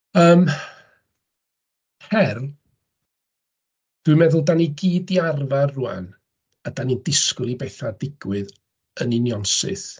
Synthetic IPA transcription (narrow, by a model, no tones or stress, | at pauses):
əːm | hɛrl | d̥wɨmɛðʊlˠdaniɡiːdiarvarrua̰n | adanindɪskʊlibɛθadɪɡ̥wɨð | əninjɔnsɪ̰θ